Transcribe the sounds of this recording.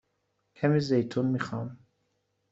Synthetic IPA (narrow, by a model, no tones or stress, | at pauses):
kʲʰamiːzejt̪ʰunmixɑm